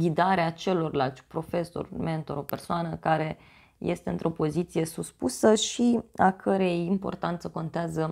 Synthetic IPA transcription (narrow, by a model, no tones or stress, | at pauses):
ɡʲid̪aɾeat͡ʃe̞lo̞rlalt̪sʲpɾo̞fe̞so̰rme̞nt̪o̞ɾo̞pe̞rsoanəkaɾe̞ | je̞st̪e̞ɨnt̪ɾʔo̞po̞zit̪sije̞suspusəʃiakʰəɾejimpo̞̰rt̪ant̪səko̞nt̪eazə